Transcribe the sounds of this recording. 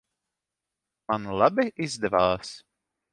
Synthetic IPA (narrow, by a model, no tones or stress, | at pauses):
manlˠabiʔizd̪ɛvaːs